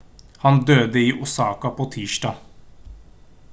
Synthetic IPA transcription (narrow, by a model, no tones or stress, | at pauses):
hɑnd̪øːd̪əiːʔʊsɑːkɑpʰoːt̪ʰiːʃɖɑː